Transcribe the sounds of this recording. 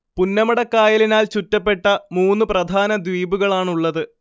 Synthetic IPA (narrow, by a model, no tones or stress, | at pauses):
punːɐmɐɽɐkːaːjɐlinaːlt͡ɕutːɐpːe̞ʈːɐmuːnːɨprɐd̪ʱaːnɐd̪ʋiːbuɣɐɭaːɳuɭːɐðɨ